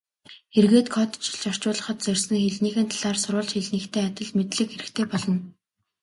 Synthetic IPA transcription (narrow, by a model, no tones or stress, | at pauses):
erɣeːt̪kʰɔt̪t͡ɕʰɪ̆ɮt͡ɕɔr̥t͡ɕʊːɮə̆χə̆t̪̚t͡sœrʲsə̆ŋxeɮniːxɘ̆nt̪ʰaɮaːrsʊɾʊːɮt͡ɕxeɮniːkt̪ʰeːat̪ʲə̆ɮmet̪ɮɘ̆kxeɾɘ̆kt̪ʰeːpɔɮɞ̆n